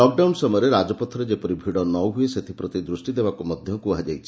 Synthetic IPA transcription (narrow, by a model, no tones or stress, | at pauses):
ɔk̚ɖawnsɔmɔjɔɾeɾad͡ʒɔpɔt̪ʰːɔɾed͡ʒepɔɾibʱiɽɔnɔwɦueset̪ʰipɾɔt̪id̪ɾusʈid̪ebakumɔd̪ʱjɔkuad͡ʒajt͡ʃʰi̥